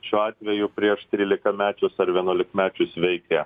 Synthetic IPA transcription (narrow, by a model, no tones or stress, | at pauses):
ʃʲuːɑːt̪ʲʋʲɛjʊpʲɾʲiɛʃt̪ʲɾʲiːlʲɪkɐmʲæːt͡ʃʲʊsɐɾʋʲiɛnuɔlʲɪkmʲæːt͡ʃʲʊsʋʲɛɪkʲɛ